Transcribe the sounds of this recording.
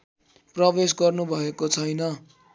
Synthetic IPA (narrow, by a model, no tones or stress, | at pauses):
prʌbes̬ɡʌrnubʱʌekot͡sʰʌjnʌ